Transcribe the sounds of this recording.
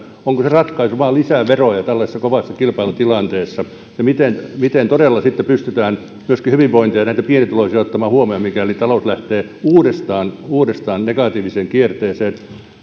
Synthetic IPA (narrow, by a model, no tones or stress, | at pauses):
oŋkoserɑt̪kɑisoʋɑlisæˑʋerojɑt̪ælːɑsesːɑkoʋɑsːɑkilpɑilut̪ilɑnt̪eːsːɑ | jɑmit̪enmit̪ent̪odelːɑsit̪ːepyst̪yt̪æːn | myøskihyʋiʋʋoint̪iɑnæit̪æpienit̪uloisijɑot̪ːɑmɑːhuomeomikælit̪ɑlouslæht̪eː | uːdest̪ɑːnuːdest̪ɑːnnekɑt̪iːʋiseŋkiert̪eːseːn